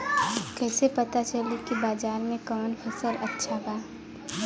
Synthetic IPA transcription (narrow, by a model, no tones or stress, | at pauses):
kɛːsepət̪at͡ʃəlikibaːzaːɾmẽkɔːnpʰɛsələtːʃʰabaː